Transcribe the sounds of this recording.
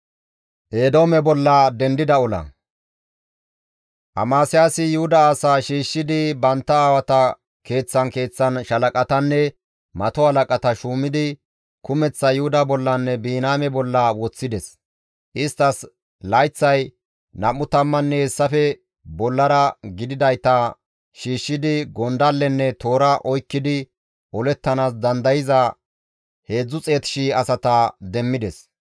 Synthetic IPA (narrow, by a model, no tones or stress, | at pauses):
ʔeːd̪o̞ːmɛbɔlːɐd̪ɛnd̪ɪd̪ɐɔlɐ̰ | ʔɐmaːsɪjaːsɪjʊhʊd̪ɐaːsaːʃiːʃːɪd̪ɪbɐnt̪ːɐaːwɐt̪ɐ | ke̞ːt͡sːɐnke̞ːt͡sːɐnʃɐlɐkʼɐt̪ɐnːɛ | mɐt̪ɔhɐlɐkʼɐt̪ɐʃuːmɪd̪ɪ | kʊmɛt͡sːɐjʊhʊd̪ɐbɔlːɐnːɛbiːnaːmɛbɔlːɐwɔt͡sːɪd̪ɛs | ʔɪst̪ːɐs | lɐjt͡sːɐj | nɐmːʊt̪ɐmːɐnːɛhɛsːɐfɛ | bɔlːɐɾɐɡɪd̪ɪd̪ɐjt̪ɐ | ʃiːʃːɪd̪ɪɡɔnd̪ɐlːɛnːɛt̪o̞ːɾɐʔɔjkːɪd̪ɪ | ʔɔlɛt̪ːɐnaːsd̪ɐnd̪ɐjɪzɐ | he̞ːd͡zːʊt͡sʼe̞ːt̪ɪ̥ʃiːɐsɐt̪ɐd̪ɛmːɪd̪ɛs